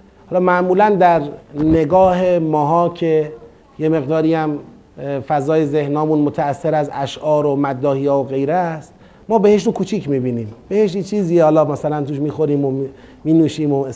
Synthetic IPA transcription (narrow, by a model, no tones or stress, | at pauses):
hɒːlɒːmæʔmuːlænd̪æɾne̞ɡɒːɦe̞mɒːɦɒːcʰe | jeme̞ɣd̪ɒːɾiːæm | fæzɒːjeze̞hnɒːmuːnmot̪ʰæːsːeɾæzæʃʔɒːɾomæd̪ːɒːhijɒːoɣe̞jɾæst̪̚ | mɒːbeheʃ̬ukʰuːt͡ʃʰiːcmiːbiːniːmb̥eheʃtit͡ʃʰiːziːehɒːlɒːmæsælænt̪uːʃmiːxo̞ɾiːmomiːnuːʃiːmo